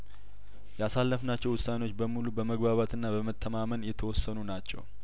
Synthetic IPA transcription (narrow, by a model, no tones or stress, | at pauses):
jasalːəfnat͡ʃːɛwʊsanewo̞t͡ʃːbəmulubəməɡbaβat̪ɨnːabəmət̪ʰːəmamənjɛt̪ʰəwɔsːənunat͡ʃːɛ̰w